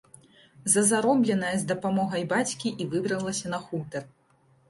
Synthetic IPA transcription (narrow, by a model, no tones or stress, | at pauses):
zɐzaɾɔblʲɛnɐjɐzd̪ɐpamɔɣɐjbat͡sʲkʲiʔivɨbɾɐlˠɐsʲɐnɐxut̪ɐr